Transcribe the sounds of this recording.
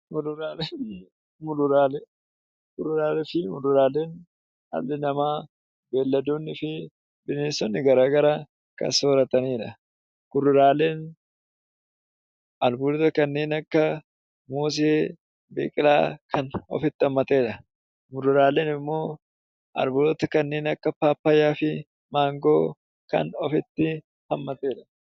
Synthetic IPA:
mʊɾʊɾaːle | mʊɾʊɾaːlɛ | kʊɾʊɾaːlɛfɪmʊɾʊɾaːleːn | ɐ̰lːɪnɐmaː | be̞ːlːɐd̪oːnːɪfɪ | bɪneːsːɔnːɪɡɐɾaːɡɐɾa | kɐ̰soːɾɐt̪ɐniːᶑɐ | kʊɾʊɾaːleːn | ɐlbʊlɔt̪ɐkɐnːeːnɐkːɐ | muːs̬eː | beːkʼɪla̰ːkʰɐnɔ̰fɪt̪ːɪhɐmːɐt̪e̞ːᶑɐ | ɡʊɾɪɾaːleːnɪmːo̞ː | ʔɐ̰lbʊːlɔt̪ɐkɐnːeːnɐkːɐpaːpːɐjaːfɪ | maːŋɡo̞ː | kɐ̰nɔfɪt̪ːɪ | hɐmːɐt̪e̞ːᶑɐ̥

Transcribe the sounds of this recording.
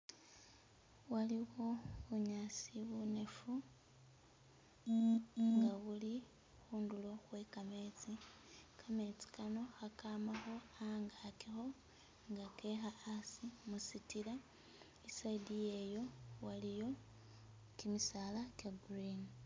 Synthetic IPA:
waliwoβuɲaːsiβunefu | ŋɡaɣuli | xuːndulo̞xwe̞kame̞t͡sikʰame̞t͡si̥kano̞xakaːmaxo̞ | aŋɡakexo̞ | ŋɡake̞xaːsimusitila | isaidijejo̞walijo̞ | kimisaːlakaɡrin

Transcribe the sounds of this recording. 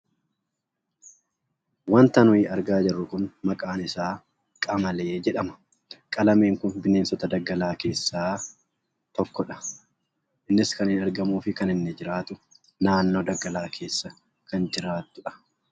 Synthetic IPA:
wɐnt̪ɐnʊɪʔɐɾɡaːd͡ʒɛrːʊkʊnmɐkʼaːnɪsaː | kʼɐmɐleːd͡ʒɛᶑɐmɐ̥ | kʼɐlɐme̞ːŋkʊnbɪne̞ːnsɔt̪ɐd̪ɐɡːɐlaːke̞ːsːaː | t̪ɔkːɔᶑɐ̥ | ʔɪnːɪskɐnɪnɐɾɡɐmuːfɪkɐnɪnːɛd͡ʒɪɾaːt̪ʊ | naːnːo̞ːd̪ɐɡɐlaːkʰe̞ːsːɐ | kɐnd͡ʒɪɾaːt̪ːʊᶑɐ̥

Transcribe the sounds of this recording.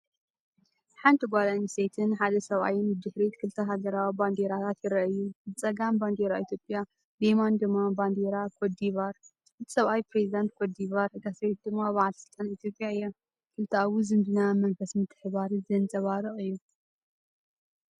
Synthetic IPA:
ħant̪ʰɨɡʷalaniset̪ʰɨnħad̪ɐsɐβa̰jɪnɨd̪ɨħɾet̪kʰɨlt̪ʰɐɦaɡɐɾawiband̪eɾat̪ʰat̪jɪɾɐʔjːuzɨt͡sʼɐɡamband̪eɾait̪ʰjopʼja | demand̪ɨmːaband̪eɾakʰod̪iβaɾ | ʔɨt̪ʰi̥sɐβʔajpɾezid̪ant̪̚kʰod̪iβaɾɡasɾet̪̚d̪ɨmːaβaʕalsɨlt̪ʼːɐnit̪ʰjo̞pʼjaɨjːa | kʰɨlt̪ʰɐawuzɨmbɨnamɐnfɐsmɨt̪ʰːɨ̥ħɨβaɾizɐnt͡sʼɐβaɾɨχʼɨjːu

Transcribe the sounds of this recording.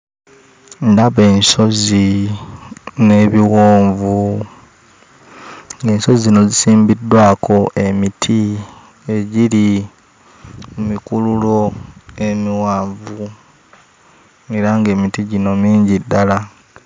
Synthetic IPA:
ndaβe̞ːnso̞zi | ne̞βiɣoːɱvu | ŋɡe̞ːnso̞zizino̞zisiːmbidːwaːkʰo̞ʔe̞mitʰi | e̞ɟiɾi | mumikululo̞e̞miwaːɱvu | eɾaŋɡe̞ːmitiɟino̞miːɲɟidːala

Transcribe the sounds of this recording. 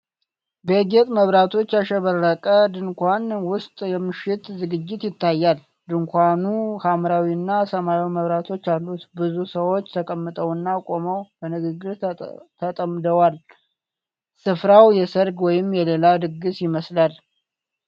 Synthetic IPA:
beɡɛt̪ʼməβɾat̪ʰo̞t͡ʃːaʃɛβəɾːəkʼəd̪ɨŋkʷanwʊst̪ʼjɛmɨʃɪt̪zɨɡɨd͡ʒːɪt̪jɪt̪ːajːal | d̪ɨŋkʷanuhamɾawiɨnːasəmajawiməβɾat̪ʰo̞t͡ʃːalːut̪bɨzusəwo̞t͡ʃːt̪ʰəkʼəmːɨt̪ʼəwɨnːakʼo̞məwbənɨɡɨɡːɨɾt̪ʰət̪ʼəmd̪əwal | sɨfɾawjɛsəɾɡwɔjɪmjɛle̞lad̪ɨɡɨsjɪməslal

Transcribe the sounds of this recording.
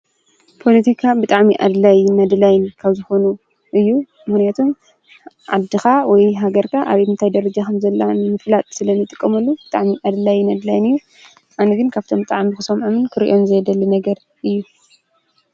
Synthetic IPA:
pʰo̞lit̪ʰikʰabɨt̪ʼaʕmiʔa̰d̪lajnɐd̪lajnkʰaβzɨxo̞nu | ʔɨjːu | mɨxnijat̪ʰum | ʕad̪ːɨxawɔjɦaɡɐɾkʰaʔaβihɨnt̪ʰajd̪ɐɾɐd͡ʒakʰɐmzɐlːamɨflat̪ʼsɨlɐnɨt̪ʼɨkʼːɐmɐlːubɨt̪ʼaʕmiʔad̪lajnɐd̪lajnɨjːu | ʔanɐɡɨnkʰaβt̪ʰo̞mbɨt̪ʼaʕmixɨsɐmʕomɨnkʰɨɾiʔo̞nzɨjd̪ɐlːinɐɡɐɾ | ʔɨjːu

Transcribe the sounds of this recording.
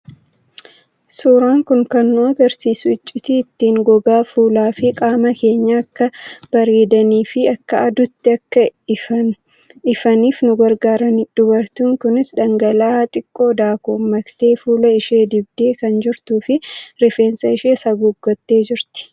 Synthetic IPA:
suːɾaːŋkʊŋkɐnːʊɐɡɐɾsiːsʊɪt͡ʃʼːɪt̪iːt̪ːiːŋɡɔɡaːfuːlaːfɪkʼaːmɐke̞ːɲːaɐkːɐb̥ɐɾeːd̪ɐniːfɪɐkːɐɐd̪ʊt̪ːɪɐkːɐ | ɪfɐniːfnʊɡɐɾɡaːɾɐnɪd̪̥ʊbɐɾt̪ʊŋkʊnɪsᶑɐŋɡɐlaːt̪ʼɪkʼːo̞ːd̪aːkuːmːɐkt̪e̞ːfuːlɐɪʃe̞ːd̪ɪbd̪e̞ːkɐnd͡ʒɪɾt̪uːfɪɾɪfe̞ːnsɐɪʃe̞ːsɐɡʊɡːɔt̪ːe̞ːd͡ʒɪɾt̪ɪ̥

